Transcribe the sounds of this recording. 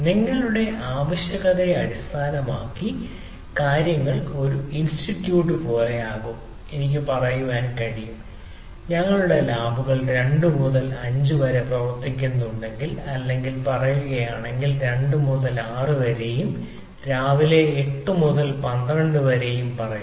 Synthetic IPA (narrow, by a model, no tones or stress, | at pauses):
niŋːɐɭuɽe̞ʔaːʋɐɕjɐɣɐðeɐɾist̪ʰaːnɐmaːkːi | kaːɾjɐŋːɐɭo̞ɾuinsʈiʈːjuːʈːɨpo̞ːle̞aːɣum | e̞nikʲːɨpɐrɐjuʋaːnkɐɽijum | ɲɐŋːɐɭuɽe̞laːbʱuɣɐɭɾe̞ɳɖɨmuðɐlɐɲd͡ʑuʋɐɾeprɐʋɐrt̪ːikʲːunːuɳɖe̞ŋɡilɐlːe̞ŋɡilpɐrɐjuɣɐjaːɳe̞ŋɡilɾe̞ɳɖɨmuðɐlaːrɨʋɐɾe̞jum | ɾaːʋile̞ːʈːɨmuðɐlpɐnd̪rɐɳɖɨʋɐɾe̞jumpɐrɐju